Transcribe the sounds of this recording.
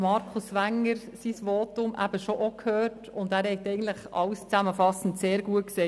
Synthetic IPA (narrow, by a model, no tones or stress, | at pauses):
mɑɾkʰʊsʋæŋːəɾ | sisʋoːtʊmʔæ̰bəʃoʔokʰhøːrtʊndæːɾhɛtɛɪɡən̩t̪ləχɑ̰lst͡sæməfɑsn̩tseːɾɡuəkseː